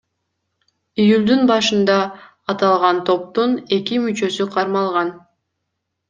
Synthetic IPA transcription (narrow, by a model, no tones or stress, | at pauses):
ijulʲd̪ynbɑʃɯnd̪ɑː | t̪ɑlˠʁɑnt̪ʰo̞p̚t̪une̞kimyt͡ʃø̞syqʰɑɾmɑlˠʁɑn